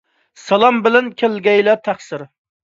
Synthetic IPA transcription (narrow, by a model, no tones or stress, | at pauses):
sɑlˠɑmbɪlɛnkʲʰelɡʲɛjlɛt̪ʰæχsɪɾ